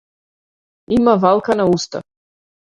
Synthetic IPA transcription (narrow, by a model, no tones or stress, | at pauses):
imavalˠkanaust̪a̰